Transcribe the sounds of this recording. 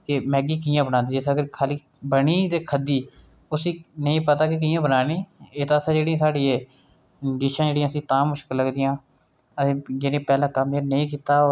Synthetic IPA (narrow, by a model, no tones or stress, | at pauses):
kɪmɛːɡiːk̬iːjãːbənaːnd̪iːd͡ʒeːsaɡəɾkʰaːliː | bəɳiːt̪eːkʰəd̪iː | ʊsĩːnəĩːpət̪aːkek̬iːãːbənaːniːeːt̪ãːəsãːd͡ʒeːɽĩãːsaːɖiːeː | d͡ʒɪʃãːd͡ʒeːɽijãːəsĩːt̪ãːmːʊʃkəlːəɡd̪iːjãː | ət̪ẽːd͡ʒeːnẽːpɛːlãːkəmeːnəĩːk̬iːt̪aːoː